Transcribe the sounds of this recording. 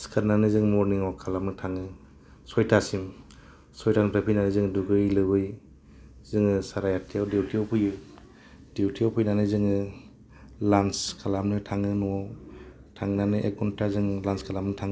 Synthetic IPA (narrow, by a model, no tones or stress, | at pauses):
skʰaɾnanɯzɯŋmɔɾniŋɔwkʰalamɯtʰaŋɯ | sɔjtʰasim | sɔjtanpapʰinanɯzɯŋduɡɯɾilɯbɯj | zɯŋɯsaɾajatʰijawdewtiawpʰujɯ | dewtʰiawpʰujnanɯzɯŋɯ | lanskʰalamnɯtʰaŋɯnua | tʰaŋnanɯʔekɔntazɯŋlanskʰalamnɯtʰaŋ